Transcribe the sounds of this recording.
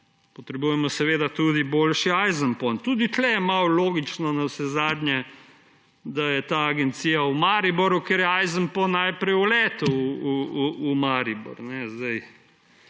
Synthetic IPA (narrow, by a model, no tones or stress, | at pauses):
pɔt̪ɾɛbujɛmɔsɛʋeːd̪at̪ud̪iboːlʃiajzənpɔnt̪uːd̪it̪lɛjɛmawloːɡit͡ʃnɔnawsɛzaːd̪nɲjɛ | d̪ajɛt̪aːɡɛnt̪siːjaumaːɾibɔɾjukeɾjɛajzənpɔnːajpɾɛjulɛːt̪uuuumaɾibɔ̰ɾnɛzd̪aj